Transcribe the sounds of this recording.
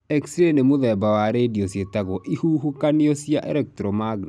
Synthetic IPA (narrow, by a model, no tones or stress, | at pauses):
ɛksɾenemoðɛbawaɾediɔsjetaɣɔʔihuːɦukaneɔsjaʔɛ̰ɾɛk̚tɾɔmaɡn